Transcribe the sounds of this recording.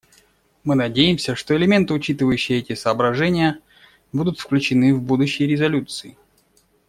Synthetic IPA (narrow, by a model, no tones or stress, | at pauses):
mɨnɐdʲejɪmsʲəʂt̪oɪlʲɪmʲe̞nt̪ɨʊt͡ɕit̪ɨvəjʉɕːɪjəɛtʲɪsəːbɾɐʐɛnʲɪjə | bud̪ʊt̪fklʲʉt͡ɕɪnɨvbud̪ʊɕːɪjəɾʲɪzɐlʲut̪sɨɪ